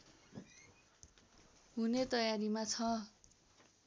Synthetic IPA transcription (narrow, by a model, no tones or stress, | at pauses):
ɦunet̪ʌjaɾimat͡sʰʌ